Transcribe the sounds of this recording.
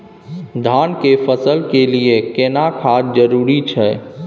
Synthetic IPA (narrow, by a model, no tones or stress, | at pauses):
d̪ʱankepʰəsəlkeliekenakʰad͡ʒd͡ʒəɾuɾit͡ʃʰɛ